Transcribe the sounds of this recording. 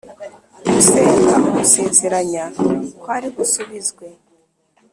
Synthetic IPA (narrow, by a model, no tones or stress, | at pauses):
museːŋɡaʔomuseːnzeɾaɲakwaɾiɡusuβizɡwe̞